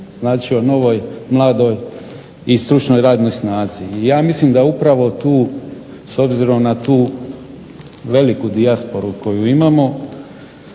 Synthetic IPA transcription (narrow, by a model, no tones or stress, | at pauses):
znaːt͡ʃiono̞ʋo̞jmlˠaːd̪o̞j | ist̪ɾut͡ʃno̞jɾaːd̪nojsnaːziːjaːmislimd̪aupɾaʋo̞t̪uː | so̞bziɾo̞mnat̪uː | ʋe̞likud̪iaspo̞ɾuko̞juimamo̞